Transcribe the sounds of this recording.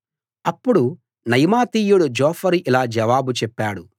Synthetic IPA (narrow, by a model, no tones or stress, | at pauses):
ɐpːuɽu | nɐjmaːt̪iːjuɽud͡ʒɔːfʰɐɾiʔilaːd͡ʒɐʋaːbut͡ʃɛpːaːɽu